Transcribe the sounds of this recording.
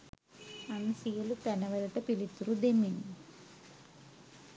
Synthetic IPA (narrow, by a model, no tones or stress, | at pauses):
ɐnsijɐlut̪ɐnɐʋɐluʈɐpilit̪ːuɾud̪eminu